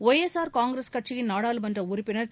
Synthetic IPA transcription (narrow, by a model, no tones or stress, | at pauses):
ojɛsaːɾkaːŋɡɾeskɐʈt͡ʃɪjɪnnaːɽaːlɯmɐndrɐʊɾɪpːɪnɐɾ